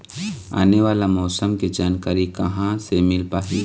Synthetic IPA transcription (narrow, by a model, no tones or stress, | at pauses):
a̰ːneʋaːlamɔːsəmkid͡ʒaːnkaːɾikɐɦãsemɪlpaːɦiː